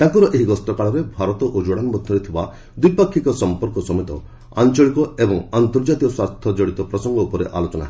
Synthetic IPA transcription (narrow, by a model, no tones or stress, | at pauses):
t̪ãŋkuɾɔʔeɦiɡɔst̪ɔkaɭɔɾebʱaɾɔt̪ɔʔod͡ʒoɽanbɔd̪ʰʱjɔɾet̪ʰiba | d̪uijpakʰːikɔsɔmpɔɾkɔsɔmɔt̪ɔ̰ | a̰nt͡ʃɔɭikɔebɔŋant̪ɔɾd͡ʒat̪iɔswast̪ʰjɔd͡ʒɔɽit̪ɔpɾɔsɔŋɡɔupɔɾḛʔa̰lot͡ʃɔna̰ɦ